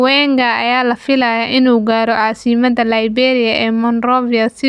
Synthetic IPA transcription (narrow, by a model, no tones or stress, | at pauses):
wɛːŋkʰɐɐjaːlɐfɪlɐjɐʔɪnuːɡaːɾɔʕaːsɪmɐðɐlɐjbɛːɾɪjɐʔɛːmɐnrɔvɪjɐsɪ